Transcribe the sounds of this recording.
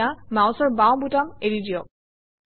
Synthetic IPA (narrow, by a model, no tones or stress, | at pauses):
amawsɔɹbaw̃butameɹidijɔ